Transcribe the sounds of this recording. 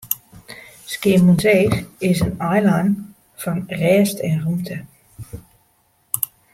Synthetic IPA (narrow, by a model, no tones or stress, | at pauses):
skɪəmunzeːxɪsənajlan | fɔnrɛːstʰɛnrumtʰə